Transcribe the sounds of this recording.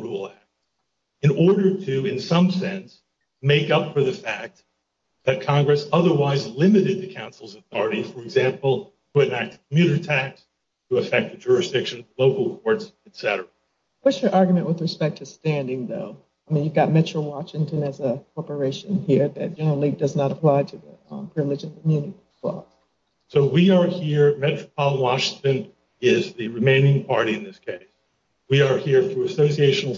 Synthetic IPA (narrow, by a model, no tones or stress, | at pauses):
ɹul̩ˠæk̚t | ɨ̃nɔɹɾə˞ɾɨɪ̃nsʌ̃msɛ̃ns | meɪkʌpfə˞ðɨfæk̚t̪̚ | ðɨt̚kʰɑ̃ŋɡɹɨsʌðə˞waɪzlɪ̃mɨɾɨd̪̚ðɨkʰãʊ̃nsl̩ˠzəθɔɹɨɾifə˞ɨɡzæ̃mpl̩ˠ | tʰəɨ̃næk̚tkʰmjʉɾə˞tʰæks | tʰəɨfɛk̚t̚ɨd͡ʒʊɹɨsd̥ɪkʃɨ̃nloʊkl̩ˠkʰɔɹtsɨtsɛɾə̰˞ə | wʌtsjə˞ʔɑɹɡjmɨ̃nʔwəðɹɨspɛk̚tʰɨstæ̃ndɪ̃ŋðoʊ | aɪmĩnjɨvɡɑt̚mɛt͡ʃɹ̥l̩ˠwɑʃɪ̃ŋtʰɨ̃nɨzəkʰɔɹpə˞eɪʃɨ̃nɦiɹðɨ̰t̚d̥ʒ̥ɛnə˞l̩ˠidʌznəɾəpʰl̥aɪtʰɨðɨpʰɹ̥ɪvlɨd͡ʒʌ̃kʰmjʉnɨɾiəzwɛ̰lˠ | soʊwiə˞hiɹmɛt͡ʃɹ̥əpʰɑlˠwɑʃɪ̃ŋtɨ̃n | ɪzðɨɹɨmẽɪ̃nɪ̃ŋpʰɑ̰ɹɾiɨ̃nðɪskʰeɪs | wiə˞hiɹθɹuɨsoʊsieɪʃn̩l̩ˠ